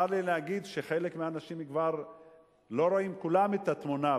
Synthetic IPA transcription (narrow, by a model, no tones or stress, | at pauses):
aɾlilehaɡid̪ʃe̞χe̞lekmeaːnaʃimikvaʁ | lo̞ɾoimkulamet̪at̪muna